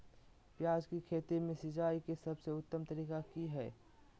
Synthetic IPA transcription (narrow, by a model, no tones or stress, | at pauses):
pjaːd͡ʒkikʰeːt̪emẽsɪd͡ʒaːikesɐbseʊt̪ːəmt̪ɐɾiːkakiɦɛː